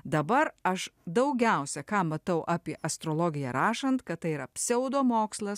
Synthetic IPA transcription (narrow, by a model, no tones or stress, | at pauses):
d̪ɐbɐɾɐʃd̪ɐʊɡʲɛʊsʲɛkɑːmɐt̪ɐʊʔɑːpʲiɛʔɐst̪ɾoːlˠoːɡʲɪjɛɾɑːʃɐnt̪kɐt̪t̪ɐɪiɾɐpʲsʲɛʊd̪oːmoːkslˠɐs